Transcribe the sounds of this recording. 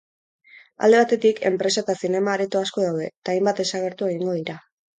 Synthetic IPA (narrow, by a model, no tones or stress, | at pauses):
a̰ld̪e̞β̞at̪e̞t̪ikʰe̞̰mpɾe̞sat̪asine̞maːɾet̪oasko̞ð̞awðe̞t̪aːjmbat̪̚d̪e̞saɣ̞e̞ɾt̪ue̞ɣ̞iŋɡo̞ð̞iɾa